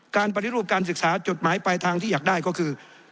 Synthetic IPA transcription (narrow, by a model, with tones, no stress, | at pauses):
kaː˧np̬a˧t̪ʰi˦˥ɾu˥˩p̚kaː˧ns̬ɯ˨˩k̚saː˩˦t͡ɕo˨˩t̪̚maː˩˦jpa˧jt̪ʰaː˧ŋiː˥˩aː˨˩k̚daː˥˩jkɔː˥˩kʰɯː˧